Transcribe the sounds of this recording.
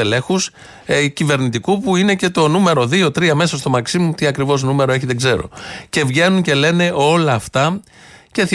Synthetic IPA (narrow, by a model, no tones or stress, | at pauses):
ele̞xus | cive̞ɾnit̪ikupuine̞ce̞t̪o̞nume̞ɾo̞ðio̞t̪ɾiɐme̞sɐst̪o̞mɐksimut̪iɐkɾivo̞znume̞ɾo̞e̞çiðe̞ɡze̞ɾo̞̰ce̞vʝe̞nuɲce̞le̞ne̞o̞lɐːft̪ɐ | ce̞θi